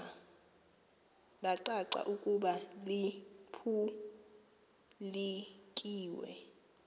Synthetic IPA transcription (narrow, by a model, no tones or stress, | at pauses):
laǀaǀa̰ʔukʼuɓalipʰu | likʼiːwɛ̰